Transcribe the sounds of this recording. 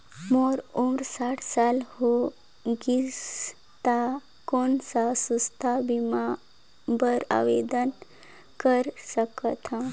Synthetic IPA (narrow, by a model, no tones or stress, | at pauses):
moɾomɾsaʈʰsalho | ɡis | t̪a | konsasust̪ʰabima | bəɾa̰ʋḛd̪ən | kəɾsəkət̪ʰã